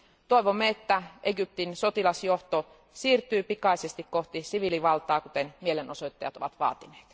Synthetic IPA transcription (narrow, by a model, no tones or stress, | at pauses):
t̪oˑiʋomːeet̪ːæʔeɡyp̚t̪insot̪ilɑsjoht̪o | siːrt̪yːpikɑˑisest̪ikkoht̪isiʋiliʋɑlt̪ɑːkut̪enmielenosoit̪ːɑjɑt̪o̰ʋɑt̪ʋɑ̰ːt̪ine̥ːt̪